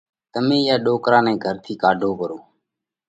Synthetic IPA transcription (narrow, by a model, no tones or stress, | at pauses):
t̪əmẽːɪjaːɗoːkɾãːnɛ̃ːɡʱəɾt̪ʰiːkaːɖʱoːkəɾoː